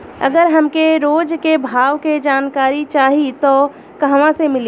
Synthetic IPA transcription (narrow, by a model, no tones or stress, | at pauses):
ɐ̰ɡəɾɦɐmkeɾoːd͡ʒkebʱaːʋked͡ʒaːnkaːɾit͡ʃaːɦit̪o | kɐɦʋãsemɪl